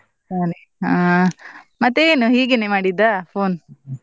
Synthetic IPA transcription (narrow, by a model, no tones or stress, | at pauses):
aːne | a | mɐt̪ːeeːnuɦiːɡenemaːɽid̪ːapʰoːn